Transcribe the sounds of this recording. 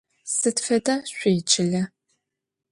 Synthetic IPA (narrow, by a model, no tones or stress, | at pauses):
sɨtfɐdɐɕʷeːt͡ʃʰʼɪɮɐ